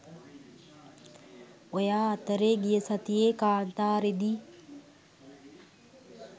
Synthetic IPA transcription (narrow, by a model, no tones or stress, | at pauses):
ojaːɐt̪əɾeːɡijəsat̪ijeːkaːnt̪aːɾed̪iː